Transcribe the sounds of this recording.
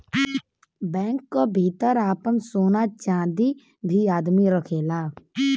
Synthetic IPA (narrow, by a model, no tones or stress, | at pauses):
bɛ̃ːŋkːobʱiːt̪əɾaːpəmsoːnaːt͡ʃãːd̪i | bʱiaːd̪miɾəkʰeːlaː